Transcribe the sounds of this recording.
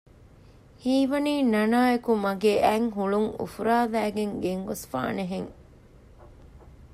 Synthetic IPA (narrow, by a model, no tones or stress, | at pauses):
hiːʋɐniːnɐnaːekumɐɡeːʔæŋɦuɭuŋṵfuɾaːʋæːɡeŋɡeŋɡosfa̰ːneɦeŋ